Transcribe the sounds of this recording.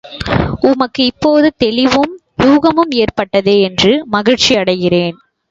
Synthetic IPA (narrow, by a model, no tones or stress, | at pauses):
ʊmɐkːɯɪpːoːðɯt̪ɛlɪʋɯm | juːɣɐmɯmeːrpɐʈːɐðeːɛndrɯmɐɣɪɻt͡ʃiɐɽɐɪɣɪreːn